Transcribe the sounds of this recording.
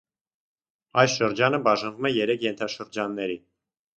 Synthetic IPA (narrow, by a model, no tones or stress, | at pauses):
ɑjsʃəɾd͡ʒɑnəbɑʒɑnvumɛjɛɾɛkʰjɛnt̪ʰɑʃəɾd͡ʒɑnːɛɾi